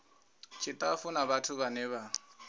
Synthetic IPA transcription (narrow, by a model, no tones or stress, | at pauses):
t͡ʃʰitʼafunabatʰuβanɛβa